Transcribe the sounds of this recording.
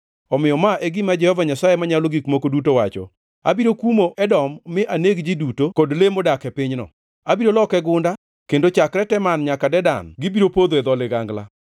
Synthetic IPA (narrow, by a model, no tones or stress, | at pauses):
ɔmɪjɔmaʔeɡɪmad͡ʒɛhɔvaɲasajemaɲaloɡikmokodutowat͡ʃɔ̰ | a̰biɾokumoʔɛdɔmːɪʔaneɡd͡ʒidutokodlemodakɛpɪɲnɔ̰ | abiɾolɔkɛɡʊnda | kendot͡ʃakɾɛtɛmanɲakadɛda̰nɡɪbiɾopod̪oɛd̪ɔlɪɡaŋɡla̰